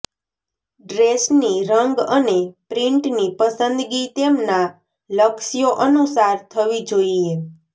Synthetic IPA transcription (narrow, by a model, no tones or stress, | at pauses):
ɖɾesniɾəŋɡənepɾĩɳʈnipəsənd̪ɡit̪emna | ləksijoʔənusaɾt̪ʰəʋid͡ʒoie